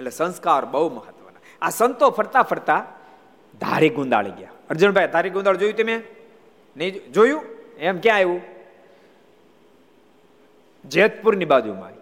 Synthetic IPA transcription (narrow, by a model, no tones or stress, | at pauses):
elesə̃nskaːɾbəɦuməɦət̪ʋəna | asənt̪opʰəɾt̪apʰəɾt̪a | d̪ʱa̰ɾiɡũnd̪a̰ːɭeɡja̰əɾd͡ʒəɳbʱajd̪ʱaɾiɡʊ̃nd̪aɭd͡ʒojũt̪emẽ | nəĩd͡ʒojũemkjãeʋũ | d͡ʒet̪pʊɾnibad͡ʒuma̰ːɾi